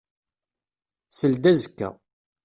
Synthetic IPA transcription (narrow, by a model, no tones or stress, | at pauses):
səld̪æzəkːæ̰